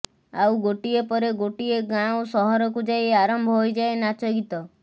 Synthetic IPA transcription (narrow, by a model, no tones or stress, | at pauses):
a̰wɡoʈiepɔɾeɡoʈieɡãosɔɦɔɾɔkud͡ʒajeaɾɔmbʱɔɦojd͡ʒaenat͡ʃɔɡit̪ɔ